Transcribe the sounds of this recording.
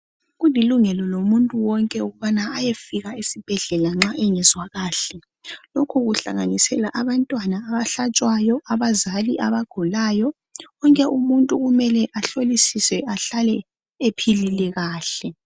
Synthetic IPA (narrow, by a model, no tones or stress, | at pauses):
ɣuliluŋɛlɔlomuntʼuwɔŋkʼɛuɣuβanaajefiɣaisib̥ʱɛɮɛlaŋ͡ǁaʔɛŋɛzwaɣaːɬɛ | lokʰuɣuɬa̰ŋanisɛlaʔaβantʼwanaːβaɬat͡ʃʼwajɔaβazaliʔaβaɡ̥ʱulaːjɔ | ɣɔŋkʼɛʔumuntʼuɣumɛlɛʔaɬolisisɛʔaɬalɛ | epʰililɛɣaːɬɛ